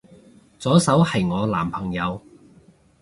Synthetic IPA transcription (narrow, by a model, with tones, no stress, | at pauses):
t͡sɔː˨˥sɐ˨˥whɐ˨jŋɔː˨˧laː˨˩mpʰɐ˨˩ŋjɐ˨˧w